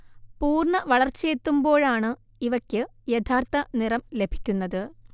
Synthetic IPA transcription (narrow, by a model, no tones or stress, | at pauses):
puːrɳɐʋɐɭɐrt͡ɕːet̪ːumbo̞ːɻaːɳɨ | iʋɐkʲːɨjet̪ʰaːrt̪ɐnirɐmle̞bʱi̥kʲːunːɐðɨ